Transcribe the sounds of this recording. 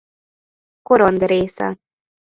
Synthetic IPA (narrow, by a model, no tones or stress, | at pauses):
koɾɔnd̪reːsɛ̰